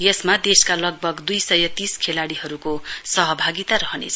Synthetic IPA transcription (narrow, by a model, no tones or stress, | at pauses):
jʌsmad̪eskalʌɡ̚bʱʌɡd̪ujsʌjʌt̪iskʰelaɽiɦʌɾukosʌɦʌbʱaɡit̪aɾʌɦʌnḛt͡sʰ